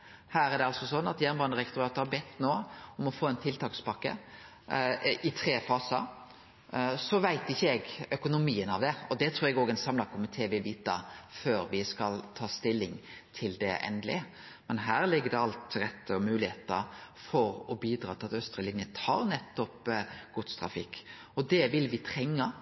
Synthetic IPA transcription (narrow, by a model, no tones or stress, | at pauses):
hæːɾæɖ̪ɛɑlsɔsɔnːɑt̪jæːnbɑːnəɾɛkt̪ʊɾɑːt̪əhɑɾbɛt̪ːnoːɔmɔfoːɛnt̪ʰɪlt̪ʰɑːkspɑkːə̰ | ɪt̪ʰɾeːfɑːsɑ | sɔʋæɪt̪ɪçːəɛɡœkʊnʊmiːənɑʋd̪ɛɔd̪ɛt̪ʰɾuːɾɛɡoːɡɛnsɑmlɑkʰʊmɪt̪ʰeːʋɪlʋiːt̪əføːɾʋɪskɑlt̪ʰɑːst̪ɪlːɪŋt̪ʰɪld̪ɛ̰ʔɛ̰nd̪lɪ̰ | mɛnɦæːɾlɪɡːəd̪ɛɑlt̪ɾɛt̪ːəɔmʉːlɪheːt̪əɾ | fɔɾɔbiːd̪ɾɑːt̪ʰɪlɑt̪œst̪ɾəlɪnjət̪ʰɑ̰ːɾnɛt̪ːɔpɡ̥ʊt̪st̪ʰɾɑ̰fɪkː | ɔd̪ɛʋɪlʋɪt̪ʰɾɛŋːə